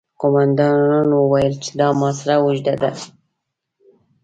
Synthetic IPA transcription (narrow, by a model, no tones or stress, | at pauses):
qomand̪ɑnːanwəwajəlt͡ʃe̥d̪ɑmɑsaɾawʊʒd̪ad̪a